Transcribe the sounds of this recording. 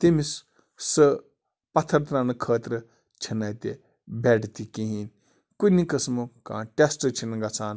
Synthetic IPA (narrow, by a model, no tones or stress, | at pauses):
t̪imis | sɨ | pɐt̪ʰːɐɾt̪ɾanɨkʰəːt̪ɾɨ | t͡ʃʰinɐt̪e | beːʈt̪ikiɦin | kunikɐsmɨkã̰ːʈʲesʈɨt͡ʃʰinɡɐt͡sʰaːn